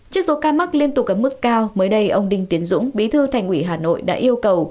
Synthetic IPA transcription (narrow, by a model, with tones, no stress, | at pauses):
t͡ɕi˦˥ək̚so˨˦kaː˧ma˦˥k̚li˧ənt̪ʊ˨˩k͡p̚ʔəː˧˩mɨ˦˥kːaː˧wməː˨˦jɗə˧jʔə˧wŋ͡mɗï˧ŋ̟t̪i˨˦ənzʊ̰˧˥ŋ͡mɓi˨˦t̪ʰɨ˧t̪ʰa˨˩jŋ̟ʔwi˧˩ɦaː˨˩no̰˧˨jɗa̰ː˧˥ʔi˧əwkə˨˩w